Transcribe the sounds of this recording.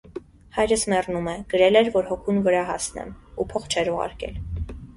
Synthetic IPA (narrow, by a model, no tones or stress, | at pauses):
hɑjɾəsmɛrnumɛɡ̥əɾɛlɛɾvɔɾhɔkʰunvəɾɑɦɑ̰snɛ̰mupʰɔχt͡ʃʰɛɾuʁɑ̰ɾkɛ̰l